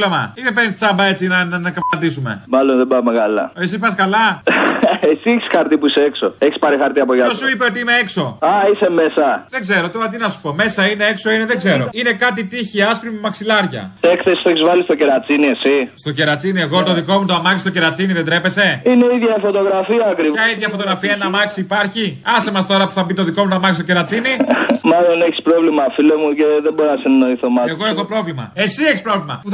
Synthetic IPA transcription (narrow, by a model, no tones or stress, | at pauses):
lomɐ̰ine̞pe̞nist͡sɐbɐe̞t͡sinɐnnɐkɐpɐnd̪isume̞̰mɐlonðebɐmekalɐes̬ipɐskɐlɐ | esieçi̥sxɐɾt̪ipuiseeksoeçispɐɾixɐɾt̪iɐpoʝɐossuipeo̞t̪iineekso̞ɐiseme̞sɐðe̞ɡze̞ɾot̪o̞ɾɐt̪̬inɐsu̥po̞me̞sɐine̞e̞kso̞ine̞ðe̞ɡzeɾo̞ine̞kɐt̪it̪içiɐspɾimimɐksilɐɾʝɐ̰ekθesi̥t̪oeçizvɐlist̪o̞ce̞ɾɐt͡siniesist̪oce̞ɾɐt͡sinie̞ɣo̞t̪o̞ðikomut̪oɐmɐçist̪oce̞ɾɐt͡siniðed̪ɾe̞pe̞se̞ine̞iðʝɐfot̪o̞ɣɾɐfiɐːkɾiɐiðʝɐfo̞t̪o̞ɣɾɐfiɐenɐmɐksiːpɐɾçiɐsemɐst̪o̞ɾɐpu̥θɐbit̪o̞ðiko̞mut̪oamɐçist̪oceɾɐt͡sinimɐlo̞neçi̥spɾo̞vlimɐfilomuceðebo̞ɾɐsenɐno̞iθomɐeɣo̞exo̞pɾo̞vlimɐ̰e̞sieçispɾo̞vlimɐpuθ